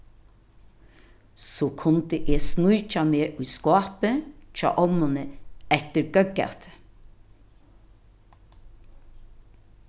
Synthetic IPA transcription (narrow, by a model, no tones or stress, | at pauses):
soːkʰʊnd̪əʔeːsnʉʏc͡çɑmeːʔʉːskɑːpəc͡çɑ̰ːʔɔmənəɛt̪əɾɡ̥œɡɑ̰t̪